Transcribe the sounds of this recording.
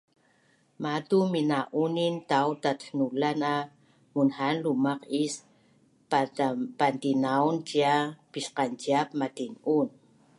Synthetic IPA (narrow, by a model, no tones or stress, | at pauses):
matuminaʔunintawtat̪nulana | munhanlumaqis | pantinawnt͡ʃiapisqant͡ʃiap̚matinun